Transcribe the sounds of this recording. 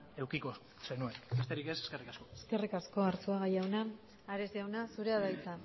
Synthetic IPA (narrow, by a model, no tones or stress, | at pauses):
e̞wkiko | senue̞nbe̞st̪e̞ɾikese̥ske̞rikasko̞eske̞rikasko̞aɾt͡suaɣajawnaː | ɾezjawnasuɾe̞aðajt͡sa